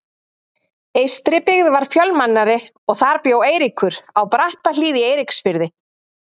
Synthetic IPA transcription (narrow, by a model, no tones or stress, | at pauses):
eːjst̪ɾɪpɪɣðvaɾ̥fjœlmanːaɾɪ | ɔɣθaɾpjoːweːjɾikʰʏɾ̥awpɾaht̪al̥iːðɪeːjɾɪksfɪɾðɪ